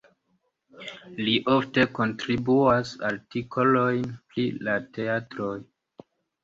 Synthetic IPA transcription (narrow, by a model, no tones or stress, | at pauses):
liʔofte̞ko̞ntɾibuasaltikʰo̞lo̞jnplilate̞atɾoj